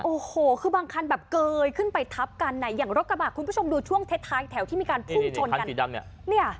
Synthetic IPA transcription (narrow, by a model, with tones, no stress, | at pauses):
ʔoː˨˩hoː˨˩kʰɯː˧baː˧ŋkʰa˧nbɛː˨˩p̚kɤː˧jkʰɯ˥˩npa˧jt̪ʰa˦˥p̚ka˧nːa˨˩jːaː˨˩ŋɾo˦˥t̪̚ɾa˧baː˨˩t̚kʰu˧npʰu˥˩o˧mduː˧t͡ɕʰu˥˩əŋt̪ʰe˦˥t̪ʰːaː˦˥jt̪ʰɛ˩˦t̪ʰiː˥˩miː˧kaː˧npʰu˥˩ŋt͡ɕʰo˧n˧˦ka˧i˨˩a˧˩nḭ˦˥ɐni˥˩ɐ